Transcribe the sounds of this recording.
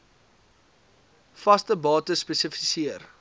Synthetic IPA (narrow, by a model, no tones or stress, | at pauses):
fɐstəbɑːtəspɛsəfisiər